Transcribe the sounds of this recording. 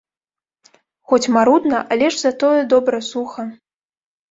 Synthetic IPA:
xɔt͡sʲmaɾud̪nɐʔalʲɛʐzat̪ɔjɛd̪ɔbɾɐsuxɐ

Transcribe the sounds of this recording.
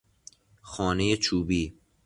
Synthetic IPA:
xɒːne̞jet͡ʃʰuːbiː

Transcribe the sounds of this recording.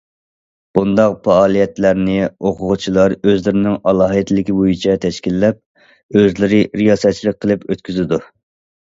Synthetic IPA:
b̥und̪ɑq̚pɑːlˠijɛt̪læɾnɪoqʰʊʁʊt͡ʃʰilˠɑɾøzlɪɾɪnɪŋɑlˠɑːɦɨt̪lɪkʲibojit͡ʃʰɛt̪ʰɛʃkʲilːɛp̚ | øzlɪɾɪɾijɑːsɛt̪̚t͡ʃʰilˠək̚ʲqʰəlˠɨpøt̪kʲyzɪd̪u

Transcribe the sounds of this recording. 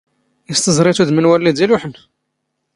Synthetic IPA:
jəst̪əzɾˤit̪ud̪mənwælːid̪iluħən

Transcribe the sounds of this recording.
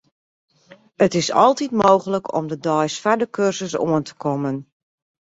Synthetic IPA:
ətɪsɑ̰lˠtitmoːɣələkʰɔ̰mdədɔjsfadəkʰørzəsoəntʰə̥kʰɔmən

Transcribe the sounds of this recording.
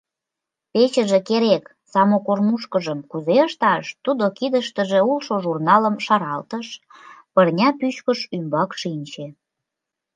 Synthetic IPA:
pet͡ɕəʒĕkeɾek | sɑmokormuʃkəʒəmkuzeəʃt̪ɑʃt̪ud̪okid̪əʃt̪əʒĕulʃoʒurnɑləmʃɑɾɑlt̪əʃ | pərnʲɑpyt͡ɕkəʃymbɑkʃinʲt͡ɕe

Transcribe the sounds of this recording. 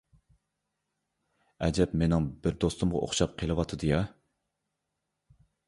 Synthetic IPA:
ɛd͡ʒɛpmenɪŋbɪɾd̪ost̪umʁɑ̰ʔo̰χʃɑp̚qʰelˠɨwɑt̪ʰɨd̪ɨjɑ

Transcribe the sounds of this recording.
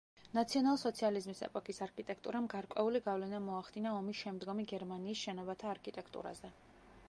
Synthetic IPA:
nat̪sʰiɔnalˠisɔt̪sʰializmisɛ̰pʼɔkʼisaɾkʰit̪ʼɛk̚ʰt̪ʼuɾamɡaɾkʼwɛ̰uliɡavlɛnamɔaχd̪inaɔmisʃɛmd̪ɡɔmiɡɛɾmaniːsʃɛnɔbat̪ʰaːɾkʰit̪ʼɛkʰt̪ʼṵɾa̰zɛ

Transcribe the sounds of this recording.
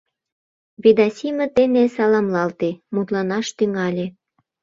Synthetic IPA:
βid̪ɑsʲimə̆t̪enesɑlɑmlɑlt̪emut̪lɑnɑʃt̪yŋɑlʲe

